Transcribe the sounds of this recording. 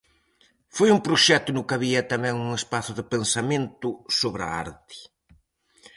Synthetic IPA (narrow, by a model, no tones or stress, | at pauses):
fojuŋpɾʊʃɛt̪ʊnʊkɐβiɐt̪ɐmɛ̃ŋuŋespaθʊðɪpensamẽnt̪ʊsoβɾɐ̰a̰ɾt̪ɪ̥